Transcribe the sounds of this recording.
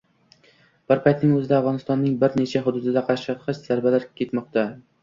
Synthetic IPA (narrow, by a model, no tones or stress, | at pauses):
b̥ɪɾpʰajt̪nɪŋɵzɪd̪aːvʁɒnɪst̪ɒnːɪŋbɪɾne̞t͡ʃʰaɦʊd̪ʊd̪ɪd̪aqʰɑɾaʃɑqʰɨt͡ʃz̥aɾbalaɾkʲʰe̞t̪mɒq̚t̪ʰa